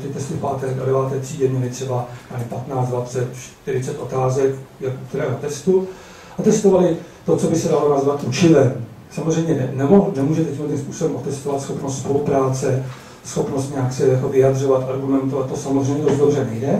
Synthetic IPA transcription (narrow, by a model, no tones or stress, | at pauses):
t̪ɪt̪ɛst̪ɪfpaːt̪ɛːdadɛvaːt̪ɛːtr̥iːdɛɲɛlɪt̪r̥ɛbanalɪpat̪naːt͡sdvat͡sɛt̪t͡ʃt̪ɪɾɪt͡sɛt̪ʔo̞t̪aːzɛkjakuk̚t̪uɾɛːɦot̪ɛst̪u | ʔat̪ɛst̪ovalɪt̪o̞t͡so̞bɪsɛdalo̞nazvat̪ʔut͡ʃɪlɛm | samozrɛjmɲɛnɛmonɛmuːʒɛt̪ɛtcimlɛt̪imspuːsobɛmʔot̪ɛst̪ovat̪sxo̞pnost̪spo̞lupɾaːt͡sɛ | sxo̞pnost̪ɲɛaksɛjako̞vɪad̪r̝o̞vat̪ʔaɾɡumɛnt̪uaat̪osamozrɛjmɲɛdosd̪dobr̝ɛnɛjdɛ